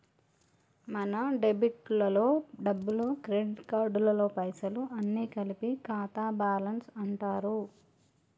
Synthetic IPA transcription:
mɐnɐɖebiʈlɐlo̞ːɖɐbːulokɾeɖiʈkaːɾɖulɐlo̞ːpɐjsɐluʔɐnːiːkɐlipikaːt̪aːbaːlɐnsɐɳʈaːɾu

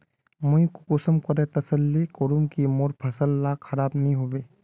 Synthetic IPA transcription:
mʊĩkokʊsəmkɐɾẽt̪ɐsəlːikoɾumkimoːɾpʰɐsəlːaxʰɐɾaːbnɐɦĩɦoːʋeː

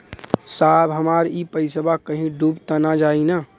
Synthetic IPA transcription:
saːbɦəmaːɾipəɪsəbakəɦĩɖuːbt̪ənad͡ʒaːina

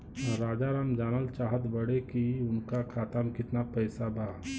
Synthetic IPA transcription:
ɔɾːaːd͡ʒaɾaːmd͡ʒaːnəlt͡ʃaːɦət̪bəɽekiʊnkakʰaːt̪əmkɪt̪napəɪsabʱaː

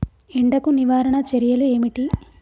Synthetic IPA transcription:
eɳɖɐkuniʋaːɾɐɳɐt͡ʃeɾijɐlue̞ːmiʈi

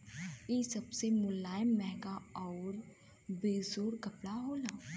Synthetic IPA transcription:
iːsɐbsemʊlːaːjəmːɛɦɡaɔːɾ | beːzoːɾkɐpɽaɦoːlaː

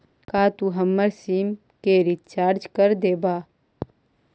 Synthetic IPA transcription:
kaːt̪uɦɐmːəɾsiːm | keɾit̪t͡ʃaːɾd͡ʒkəɾd̪eːbaː

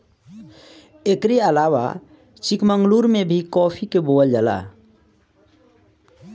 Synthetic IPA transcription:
ekɾeəlawa̰ | t͡ʃikməŋɡluɾmebʱikɔːpʰikeboəld͡ʒaːla̰

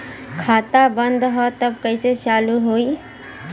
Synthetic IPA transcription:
kʰaːt̪abə̃nd̪ɦɔt̪əbkəiset͡ʃaːluɦoːi

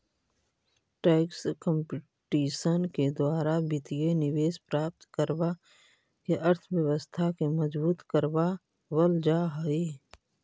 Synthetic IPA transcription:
ʈɛːkskə̃mpɪ | ʈiːʃənked̪waːɾabɪt̪ijenɪʋeːspɾaːp̚t̪kəɾba | keʔəɾt̪ʰʋjəwəst̪ʰakeməd͡ʒbuːt̪kəɾba | wəld͡ʒaɦəi

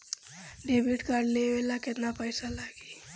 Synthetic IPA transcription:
ɖebiʈkaɾɖleʋelaket̪napəjsalaɡi

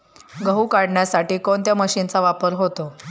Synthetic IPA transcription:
ɡəɦukaɽɳjasaʈiːkont̪jaməɕint͡saʋapəɾɦot̪o

